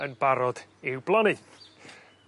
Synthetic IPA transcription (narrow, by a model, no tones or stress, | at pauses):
ənbaɾɔd̥ɪwblˠani